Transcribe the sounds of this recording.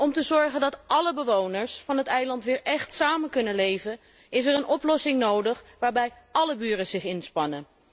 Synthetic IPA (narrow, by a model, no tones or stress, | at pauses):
ɔmtəzɔɹχəndɑtʔɑləbəʋownəɹsfɑnɦətɛjlɑntʋɪːɹʔɛχtsaːmənkɵnənlejvən | ɪs̬ɛɹənʔɔplɔsɪŋnowdəχʋaːɹbɛj | ɑləbyːrəzɪχɪnspɑnən